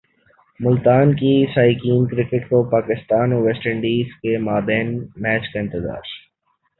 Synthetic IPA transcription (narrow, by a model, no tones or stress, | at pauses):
mʊlt̪aːnkisaːikiːnkɾɪkɪʈkopaːkɪst̪aːnoʋeːsʈɪɳɖiːzkemaːbɛ̃ːnmɛːt͡ʃkaɪ̃nt̪ɪza̰ːɾ